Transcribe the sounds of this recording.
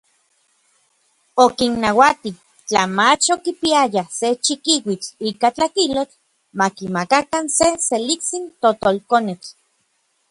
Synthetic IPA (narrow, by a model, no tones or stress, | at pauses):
okinːawat̪i | t͡ɬamat͡ʃokipiajaset͡ʃikiwit͡ɬikat͡ɬakilot͡ɬ | makimakakanseselikt͡sint̪ot̪olkonet͡ɬ